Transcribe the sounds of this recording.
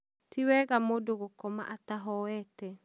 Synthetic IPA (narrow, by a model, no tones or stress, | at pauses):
tiwɛɣamodoɣokɔma̰ʔataɦɔwɛtɛ